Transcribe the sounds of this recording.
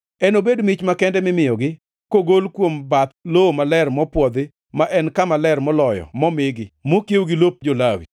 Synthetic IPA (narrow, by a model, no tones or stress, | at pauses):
ɛnobedmit͡ʃmakɛndɛmɪmɪjɔɡɪ | koɡolkwombat̪lomalɛrmɔpwɔd̪ɪ | maʔɛnkamalɛrmɔlɔjɔ̰mɔmɪɡɪmokjewɡɪlop̚d͡ʒolawḭ